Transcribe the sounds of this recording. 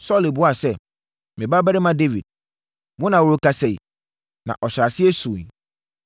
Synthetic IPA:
sɔ˦le˨bʊ˦a˨sɛ˦˨ | mɪ̃˨ba˦bæ˦ɾɪ˦mã˦de˦vi˨d̥̚ | mʊ̃˦nã˨wo˨ɾo˦ka˦sɛ˨i˨ | nã̰˨ʔɔ˨ɕa˨sɪ˦ɛ˦sũ˨n˨

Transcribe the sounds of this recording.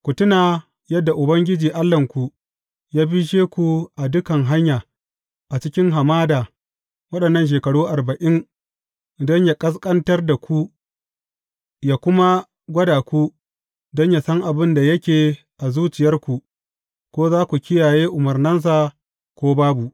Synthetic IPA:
kʷʊ˨tʊ˦naː˨ | jɐ˦dːa˨ʔʊ˨bɐ˦ŋɡʲɪ˦d͡ʒiː˨ʔa˦lːɐ˨ŋkʷu˨ | jaː˦bi˦ʃeː˦kʷu˨ʔa˨dʊ˦kɐ˨ŋɦa˦ɲjaː˨ | ʔa˨t͡ʃɪ˦kʲɪ˦ŋɦa˨maː˦daː˨ | wɐ˦ɗɐ˨nːɐ˦nʃ̬eː˨kɐ˨ɽuː˦ʔa˨rbɐ˨ʔɪ˦ŋ | dɔ˦ɲja˨kʼɐ˦s̬kʼɐ˦ntɐ˦rda˨kʷʰu˦ | jaː˨kʷʊ˦ma˦ | ɡʷɐ˦daː˨kʷu˦ | dɔ˦ɲja˨sɐ˦ŋʔa˨bɪ˦nda˨jɐ˦kʲeː˨ | ʔa˨zuː˦t͡ʃɪ˨jɐ˦rkʷu˨ | kʷoː˦zaː˦kʷu˨kʲɪ˦jaː˨jeː˦ʔʊ˨mɐ˨rnɐ˦ns̬aː˨ | kʷoː˦baː˦bu˨ʔ

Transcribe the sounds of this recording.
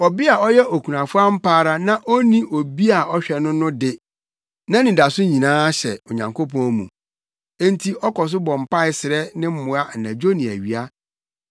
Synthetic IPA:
ɔ˨bɪ˦a˨ɔ˦jɛ˦ʔo˨kʰu˨nã˨fʊ˦a˦m̩˦pʰaː˦ɾa˦nã˦ʔɔ˦nĩ˦ʔo˨bi˦a˨ɔ˦ɕᶣɛ˨nʊ̃˦nʊ̃˦dɪ˦ | nã˦nĩ˨da˨sʊ˦ɲĩ˨nãː˦ɕɛ˨o˨ɲã˨ŋkʰo˦pɔ̃˦˨mṵ̃˨ | ẽ˦n˦tʰi˦ʔɔ˦kɔ˨s̬ʊ˦bɔ̃˨m˨pa˦ɪ˨sɪ˨ɾɛ˦nɪ̃˦m̩˦mʊ̃˨˦a˦n̩˨nã˨d͡ʑo˦nĩ˨æ̰˨ɥi˨a˦

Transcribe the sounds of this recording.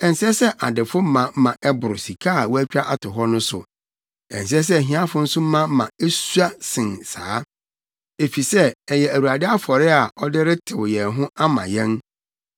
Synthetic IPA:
ɛ̃˨n˨sɛ˦sɛ˦ʔa˨dɪ˨fʊ˦m̩˦mã˨˦mã˨ʔɛ˦bʊ˨ɾʊ˨si˨kʰaː˦˨wɔ˦æ˦t͡ɕᶣa˦ʔa˨tʰʊ˨ɦɔ˦nʊ̃˦sʊ̰˨ | ɛ̰˨n˨s̬ɛ˦s̬ɛ˦˨ɦĩ˦ã˦fʊ̃˦n̩˦sʊ̃˦m̩˦mã˦mã˨e˦su˦a˦sɪ̃˨nsa̰ː˨˦ | e˨fi˨sɛ˦ɛ˨jɛ˨æ˨wu˨ɾa˨dɪ˦a˦fɔ˨ɾɪ˦a˨ʔɔ˦dɪ˦ɾɪ˦tʰɪ˨wjɛ˨ɦʊ̃˦a˦mã̰˨jɛ̃˦n

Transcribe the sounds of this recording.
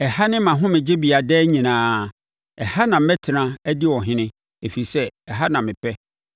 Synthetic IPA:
ɛ˨ha˦nɪ̃˦mã˨ɦʊ̃˦mɪ̃˨d͡ʑɪ˦bi˨a˨dɛː˦ɲĩ˨nãː˨˦ | ɛ˨ha˦nã˨m̩˦mɛ˦tʰɪ˨nã˦æ˦dɪ˦wɔ˨ɦɪ̃˦nɪ̃˦ | e˨fi˨sɛ˦ɛ˨ɦa˦nã˨mɪ̃˨pʰɛ˦

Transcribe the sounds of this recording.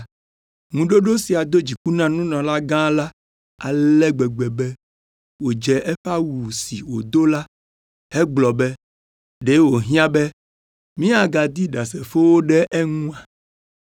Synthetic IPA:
ŋũ˨ɖo˦ɖo˦si˨a˨d̪o˦d͡ʑi˨ku˦nã˦nũ˦nɔ̃˨la˦ɡã˦la˦ | a˨lɛ˦ɡ͡bɛ˨ɡ͡bɛ˨bɛ˦ | wo˨d͡ʒɛ˨ʔe˦ɸa˦wu˨si˨wo˨d̪o˦la˦ | ɛ˦ɡ͡blɔ˨bɛ˦ | ɖe˦wo˨ɦĩ˦ã˦bɛ˦ | mĩ˦a˨ɡa˨d̪i˦ɖa˨s̬ɛ˨fo˦wo˦ɖɛ˦ʔɛ˦ŋũ˦a˨

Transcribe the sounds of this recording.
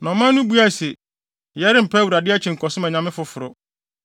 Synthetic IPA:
nɔ̃˨mã˦nũ˦bu˦a˦˨sɛ˨ | jɛ˦ɾɪ˦m̩˨pʰɛ˦wu˨ɾa˨dɪ˦a˦t͡ɕʰɪ̃˨ŋ̩˨kʰɔ˨sʊ˦ã˨ɲã˨mɪ̃˦fʊ˨fʊ˨ɾʊ˦

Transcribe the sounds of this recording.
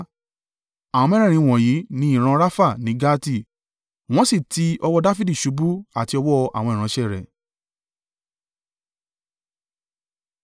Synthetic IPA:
a˨w̃ɔ̃˧mɛ˦ɾɛ̃˦˨ɾ̃ĩ˧w̃ɔ̃˨ji˨˦nĩ˦ĩ˦˨ɾ̃ã˧ɾa˦fa˦˨nĩ˦ɡa˦ti˦˨ | w̃ɔ̃˦si˦˨ti˧ɔ˧wɔ˧da˦fi˦di˦˨ʃu˨˦bu˦a˨ti˧ɔ˧wɔ˦˧ʔa̰˦˨w̃ɔ̃˧ĩ˨ɾ̃ã˨˦ʃɛ˦˨ɾɛ̰˨

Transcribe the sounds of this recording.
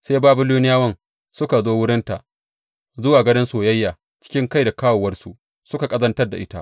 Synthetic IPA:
seː˦baː˦bʊ˨lu˦nɪ˦jaː˦wɐ˦n | sʊ˦ka˨zoː˦wʊ˦ɽɪ˦nta̰˨ʔ | zʊ˦waː˨ɡɐ˦ɽɪ˦nsoː˨jɐ˦jːaː˨ | t͡ʃɪ̥˦kʲɪ˦ŋka˦jda˨kaː˦woː˨wɐ˦rsṵ˨ | sʊ˦ka˨kʼɐ˦zɐ˦ntɐ˦rda˨ʔɪ˦ta̰˦ʔ

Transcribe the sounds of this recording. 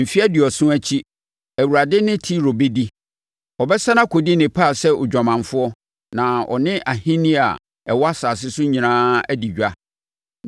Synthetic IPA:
m̩˨fi˦æ˦dɪ˨ɔ˨sʊ̃˦æ˦t͡ɕʰi˦ | æ˨wu˨ɾa˨dɪ˦nɪ̃˦tʰi˦ɾo˨be˦di˦ | ɔ˨bɛ˦sã˦nã˦kʰo˨di˦nɪ̃˨pʰa˦˨sɛ˦ʔʊ˨d͡ʑᶣa˨mã˨ɱfʊ˦ɔ˦ | nã˨ɔ̰˨nɪ̃˦ʔa˨hɪ̃˦nɪ̃˦a̰˨ | ɛ̰˨wɔ˦a˦saː˨s̬ɪ˦sʊ˦ɲĩ˨nãː˦æ˦di˨d͡ʑᶣa˦

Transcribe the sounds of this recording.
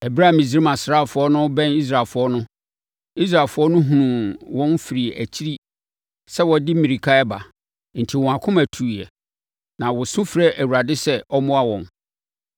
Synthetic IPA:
ɛ˨bɾa˦˨mĩ˨sɾi˦mã˨sɾa˦˨fʊ˨˦ɔ˦nʊ̃˦bɛ̃˦ni˦s̬ɾa˨fʊ˨˦ɔ˦nʊ̃˦ | i˦s̬ɾa˨fʊ˨˦ɔ˦nʊ̃˦ɦũ˨nũ˨wɔ̃˦nfi˨ɾi˨æ̰˨t͡ɕʰi˦ɾi˦ | sɛ˦wɔ˨dɪ˦mĩ˨ɾi˨kʰa˦ɛ˦ba˨ | n̩˨tʰi˨wɔ̃˨a˨kʰʊ̃˦mæ˨tʰu˨ɛ˨ | nã˨wɔ˨sʊ̃˦fɾɛ˦ʔæ˨wu˨ɾa˨dɪ˦sɛ˦ʔɔ˦mʊ̃˦a˦wɔ̃˨n

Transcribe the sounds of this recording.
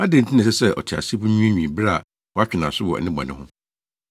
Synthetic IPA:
a˦dẽ˨n̩˨tʰɪ̃˦nɪ̃˨sɛ˦sɛ˦ʔɔ̰˨t͡ɕʰɪ˨a̰˨si˦bu˦ɲũ˦ẽ˦ɲᶣĩ˨bɾa˦˨ | wɔ˨˦a˦t͡ɕᶣɪ˨nã˨sʊ˦wɔ˨ɛ̰˨nɪ̃˦ɡ͡bã̰˨nɪ̃˦hʊ̃˦

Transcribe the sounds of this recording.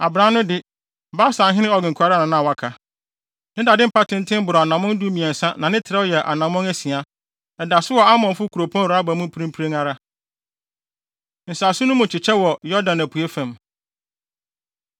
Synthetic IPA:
a˨bɾã˦nʊ̃˦dɪ˦˨ | ba˦sã˨˦ɦɪ̃˦nɪ̃˦ɔ˨ɡɪ̃˨ŋ˨kʰu˨a˨ɾa˦nã˨nã˦˨wa˦kʰa˨ | nɪ̃˦da˨dɪ̃˦m̩˦pʰa˦tʰɪ̃˦n˦tʰɪ̃˦m˦bʊ˨ɾɔ˨a˨nã˨mɔ̃˦n˦du˦mĩ˨ɛ̃˨n̩˨sã˦nã˨nɪ̃˦tʰɪ˨ɾɛ˦jɛ˨ʔa̰˨nã˨mɔ̃˦næ˦si˨a˨ | ɛ˨da˨sʊ˦wɔ˨a˦mɔ̃˨fʊ˦kʰu˨ɾo˨pʰɔ̃˦˨a˦bæ˨mʊ̃˦pʰu˦ɾĩ˦pʰu˦ɾe˦ŋa˦ɾa˦ | n̩˨saː˨sʊ˦nʊ̃˦mʊ̃˨t͡ɕʰɪ˨t͡ɕʰɛ˦wɔ˨jɔ˦dã˨næ˨pʰu˨e˦fæ̃˨m

